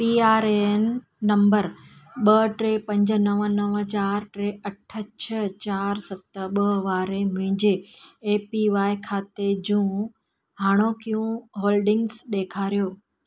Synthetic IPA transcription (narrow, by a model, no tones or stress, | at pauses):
piːaːɾenː | ɐ̃mbəɾɓɐʈɾepɐ̃ɲd͡ʑənɐʋənɐʋt͡ɕaːɾʈɾeɐʈʰət͡ɕʰət͡ɕaːɾsɐt̪ə̆ɓəʋaːɾemʊ̃ɪ̃ɲd͡ʑeːpiʋaːikʰaːt̪ed͡ʑũː | ɦaːɽ̃okijũɦoːlɖɪ̃ŋɡsɗ̪eːkʰaːɾijoː